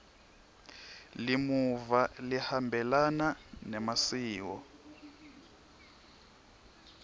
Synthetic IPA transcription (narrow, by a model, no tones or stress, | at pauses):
limuvalihambʱɛlananɛmasiːwɔ̰